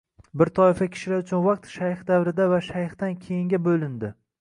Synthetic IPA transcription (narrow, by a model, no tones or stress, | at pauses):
bɪɾt̪ʰɒɪfakʲʰɪ̥ʃɪlaɾʊt͡ʃʰʊnvɑq̚t̪ʃajχd̪avɾɪd̪avaʃajχd̪ankʲʰejɪŋɡʲabolɪnd̪ɪ